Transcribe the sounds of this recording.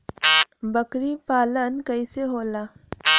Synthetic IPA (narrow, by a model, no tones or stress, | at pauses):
bəkɾipaːlənkɐiseɦoːlaː